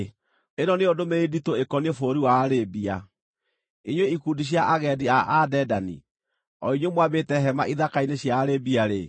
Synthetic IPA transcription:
enɔneodomeiditoekɔniefoɾiwaːɾebia | iɲweikudiɕ̬jaʔaɣɛdiaʔadɛdanḭ | ɔ̰iɲwemwabetɛɦɛmaʔiðakaineɕjaːɾebiaɾe

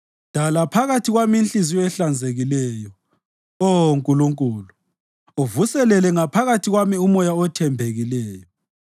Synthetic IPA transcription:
d̥ʱalapʰaɣatʰiɣwamiinɬʼiziɛɬand͡zʱeɣilɛːjɔ | ɔŋkʼuluŋkʼuːlu | ovusɛlɛlɛŋapʰaɣatʰiɣwamiumɔjaɔtʰɛmbʱeɣilɛːjɔ

